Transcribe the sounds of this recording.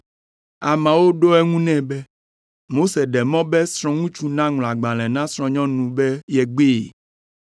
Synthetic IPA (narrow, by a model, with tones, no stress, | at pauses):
a˨mã˨wo˦ɖo˦ɛ˦ŋũ˦nɛ̃˦bɛ˦ | mo˦se˨ɖɛ˨mɔ̃˦bɛ˦sɾ̃ɔ̃˦ŋũ˦t͡ʃu˨nã˦ŋl̃a˨ɡ͡bã˨l̃ɛ̃˨nã˦sɾ̃ɔ̃˨ɲɔ̃˦nũ˨bɛ˦jɛ˨ɡ͡be˦˨